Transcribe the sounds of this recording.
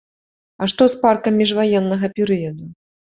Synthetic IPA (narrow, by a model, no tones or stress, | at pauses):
ɐʂt̪ɔsparkɐmʲːiʐvajɛnːɐɣɐpʲɛɾɨjɐd̪u